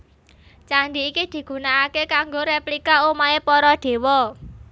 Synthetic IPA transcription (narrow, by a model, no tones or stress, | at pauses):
t͡ʃandiːkid̪̥i̤ɡ̥ṳnaːkekaŋɡoɾeplikaumaepɔɾɔd̪̥e̤wɔ